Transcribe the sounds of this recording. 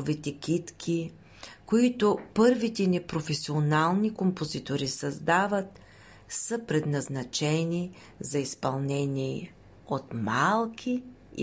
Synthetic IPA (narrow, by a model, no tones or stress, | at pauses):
vit̪ɛkʰʲit̪kʰi | koit̪ʊpɤɾvit̪ɛnipɾofɛsionalˠnikompozit̪oɾisɐzd̪avət̪̚ | səpɾɛd̪nɐznɐt͡ʃɛni | zɐispɐlˠnɛniɛ | ot̪malˠkʰʲḭ